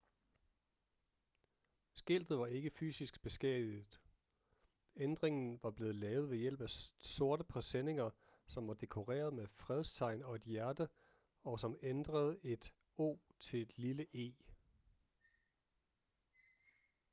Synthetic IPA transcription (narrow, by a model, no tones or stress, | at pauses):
sɡ̥e̝l̰d̥ð̩ˠʋɑ̈e̝ɡ̥əfy̰ːsisɡ̥b̥e̝sɡ̥ɛ̰ðˠið̩ˠ | end̥ʁeŋn̩ʋɑ̈b̥le̝ːð̩ˠlɛːʊð̞̩ˠʋe̝jel̰b̥æso̝ɐd̥əpʰʁɛsene̝ŋɐ | sɒ̽mʋɑ̈d̥e̝kʰo̝ʁḛːɐð̞ˠmefʁɛð̞ˠst͡sʰɑ̈ɪ̰nɒ̽e̝d̥jæɐd̥ə | ɒ̽sɒ̽mend̥ʁɐð̞̩ˠe̝d̥ | o̝̰ːt͡sʰe̝d̥liləʔe̝̰ː